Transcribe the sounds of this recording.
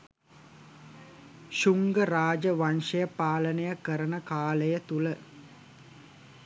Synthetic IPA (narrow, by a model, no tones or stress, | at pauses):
ʃuŋɡəɾaːd͡ʒəʋanʂəjəpaːlənejəkəɾənəkaːləjət̪ulə